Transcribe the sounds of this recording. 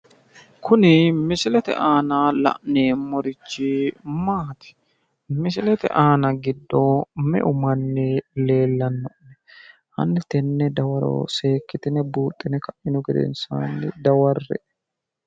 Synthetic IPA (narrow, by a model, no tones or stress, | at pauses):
kʰʊnɪmɪsɪlɛt̪ɛ̰ʔaːnalɐ̰ʔneːmːɔɾɪt͡ʃːɪmaːt̪ɪ̥ | mɪsɪlɛt̪ɛ̰ʔaːnɐɡɪd̪ːomɛ̰ʔʊmɐnːɛle̞ːlːɐnːɔʔnɛ | hɐ̰nːɪt̪ɛnːɛd̪ɐwɐɾo̰se̞ːkːɪt̪ɪnɛbuːt̪ʼːɪnɛkɐʔɪnʊɡɛd̪ɛ̰nsa̰ːnːɪd̪ɐwɐrːɛ̰ʔ